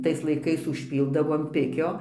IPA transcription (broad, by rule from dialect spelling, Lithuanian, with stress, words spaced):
ˈtɐɪs lˠɐɪˈkɐɪs ʊʃʲˈpʲiːlˠdɐʋoː ɐn ˈpʲɪkʲoː